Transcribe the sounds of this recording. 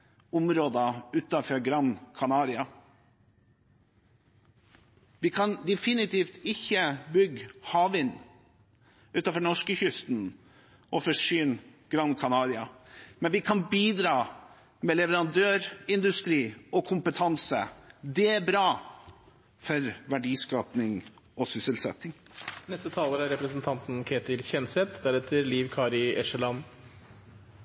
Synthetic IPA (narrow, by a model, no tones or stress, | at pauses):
ʊmɾoːd̪ɑʉːt̪ɑfɔɾɡɾɑnkʰɑnɑːɾɪɑ | ʋɪkʰɑnd̪ɛfɪnɪt̪iːft̪ɪçːəbʏɡhɑːʋɪnː | ʉːt̪ɑfɔɾnɔʂkəçʏst̪n | ɔfɔʂyːnɡ̥ɾɑnkʰɑnɑːɾɪɑmɛnʋɪkʰɑnbiːd̪ɾɑː | mɛlɛʋəɾɑnd̪øːɾɪnd̪ʉst̪ɾiːɔkʰʊmpət̪ʰɑnsə̰d̪ɛæɾbɾɑː | fɔɾʋæɖiːskɑːpnɪŋ | ɔsʏsəlsɛ̰t̪ːɪŋ | nɛst̪ət̪ʰɑːləɾæɾɛpɾəsnt̪ʰɑnt̪n̩kʰeːt̪ɪlçɛnsɛt̪d̪æɾɛt̪ʰəɾliːʋkʰɑːɾɪɛʂəlɑn